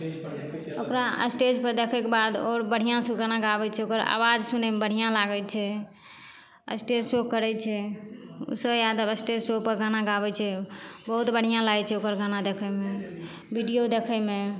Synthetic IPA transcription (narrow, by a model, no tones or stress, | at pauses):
okɾaə̰sʈed͡ʒpəɾd̪ekʰɛkebad̪oɾbəɽ̤ijãsuɡanaɡabɛt͡ʃʰɛokəɾa̰wad͡ʒsunɛmebəɽ̤ijãlaɡɛt͡ʃʰɛ | ə̰sʈed͡ʒsokːəɾɛt͡ʃʰɛṵsəbjad̪əbəsʈed͡ʒsopəɾɡanaɡabɛt͡ʃʰɛbəɦut̪bəɽ̤ijãlaɡɛt͡ʃʰɛokəɾɡanad̪ekʰɛme | biɖijod̪ekʰɛme